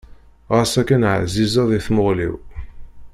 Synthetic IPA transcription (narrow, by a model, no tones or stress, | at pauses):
ʁəsækænʕ̰zːizɑðˤiθmʊʁlḭw